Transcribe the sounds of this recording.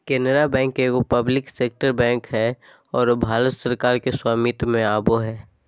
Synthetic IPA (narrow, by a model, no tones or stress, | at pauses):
kɛːnəɾabɛ̃ːŋkekopəblɪkseːk̚ʈəɾbɛ̃ːŋkɦɛ | ɔːɾbʱaːɾət̪səɾkaːɾkeswaːmɪt̪mẽaːboɦɛː